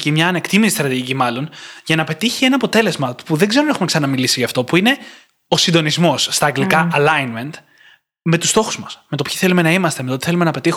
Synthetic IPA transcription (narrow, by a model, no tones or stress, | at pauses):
cimɲɐːne̞kt̪imisist̪ɾɐt̪iʝicimɐlo̞nʝɐnɐpe̞t̪içienɐːpo̞t̪e̞le̞zmɐpuðe̞ɡzeɾonexumeksɐnɐmilisiʝɐft̪o̞puine̞ | o̞sind̪o̞nizmo̞sːt̪ɐːŋɡlikɐɐlɐinme̞nt̪ | me̞t̪ust̪o̞xuzmɐsme̞t̪o̞pçi̥θe̞lume̞nɐimɐst̪emet̪o̞t̪i̥θe̞lume̞nɐpe̞t̪ix